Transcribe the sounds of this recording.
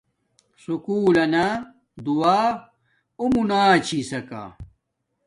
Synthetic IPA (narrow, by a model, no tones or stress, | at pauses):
sukuːlɐna | d̪uaː | umunaːt͡ɕʰisɐka̰